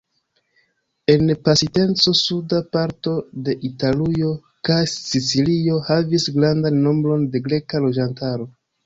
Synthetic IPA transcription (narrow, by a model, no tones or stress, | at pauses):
e̞npasite̞nt͡so̞sudapaɾto̞de̞ʔitalujo̞ | kajsit͡silio̞havisɡɾandanːo̞mbɾo̞nde̞ɡɾe̞kalo̞d͡ʒantaɾo̞